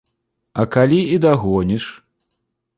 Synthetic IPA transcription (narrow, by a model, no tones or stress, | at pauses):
ɐkalʲiid̪aɣɔnʲiʂ